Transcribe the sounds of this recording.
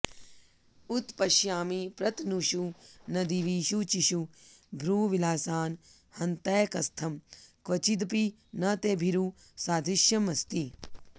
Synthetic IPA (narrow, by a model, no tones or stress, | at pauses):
ut̪pɐʃjaːmipɾɐt̪nuʃunɐd̪iʋiːʃut͡ʃiʃubʱɾuːʋilaːsaːn | hɐnt̪ɐːjkɐst̪ʰɐmkʋɐt͡ʃid̪̬pi | nɐt̪ebʱiɾu | saːd̪ʱiʃjɐmɐst̪i